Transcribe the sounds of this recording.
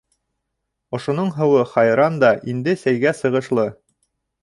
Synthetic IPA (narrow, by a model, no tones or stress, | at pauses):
ŏʃŏnoɴɦɤ̆wɤχɑjɾɑnd̪ɑʔind̪ɘsæjɡæsɤ̆ʁɤ̆ʃlˠɤ